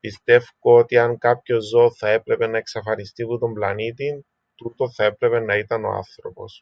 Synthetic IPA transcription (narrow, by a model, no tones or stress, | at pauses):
pist̪e̞fkoot̪iɐŋkɐpço̞zːo̞θɐe̞pɾe̞pe̞nɐe̞ksɐfɐnist̪iput̪o̞mblɐnit̪in | t̪ut̪o̞θɐe̞pɾe̞pe̞nːɐit̪ɐno̞̰a̰nθɾo̞po̞̰s